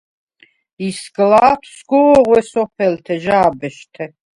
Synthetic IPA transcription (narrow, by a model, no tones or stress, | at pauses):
isɡlaːt̪ʰsɡɔːʁwɛsɔpʰɛlt̪ʰɛʒaːbɛʃt̪ʰɛ